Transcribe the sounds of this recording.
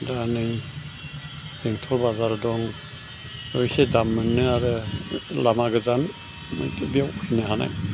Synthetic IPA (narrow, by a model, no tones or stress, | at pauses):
danɯj | eŋtʰɔɾbazaɾdɔŋ | ɯjsedamːɯnːɯaɾɯlamaɡɯzan̰ | biawhinɯɦana̰j